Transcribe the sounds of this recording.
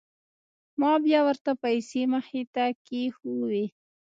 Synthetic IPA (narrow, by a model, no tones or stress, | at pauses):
mɑbjɑwəɾt̪apajseməxet̪akexuwe